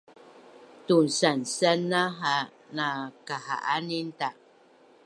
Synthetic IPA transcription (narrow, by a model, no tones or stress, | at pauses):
tunsansanaɦa | nakaha̰ʔaninta